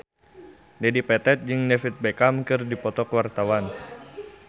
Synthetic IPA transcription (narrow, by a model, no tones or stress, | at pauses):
dɛdipɛt̪ɛt̪̚d͡ʒɨŋnɛfit̪̚bɛkamkɨrdipɔt̪ɔkwart̪awan